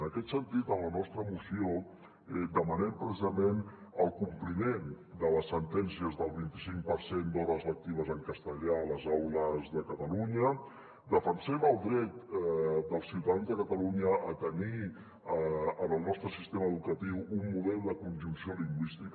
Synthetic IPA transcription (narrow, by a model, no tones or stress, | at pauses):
ənəkɛt̪sənt̪it̪ənlənɔst̪ɾəmusio | ɛd̪əmənɛmpɾəsizəmenəlˠkumplimen | d̪ələsːənt̪ɛnsiəzðəlˠβint̪isiŋk̚pəɾsend̪ɔβəzlək̚t̪iβ̞əzəŋkəst̪əʎaləzawləzðəkət̪əluɲə | d̪əfənsɛməlˠd̪ɾɛt̪d̪əlˠsiwt̪aðanzðəkət̪əluɲəʔːt̪əni | ənəlˠnɔst̪ɾəsist̪eməːðukət̪iwumːuðɛlˠd̪əkunʲʒunsioliŋɡwist̪ik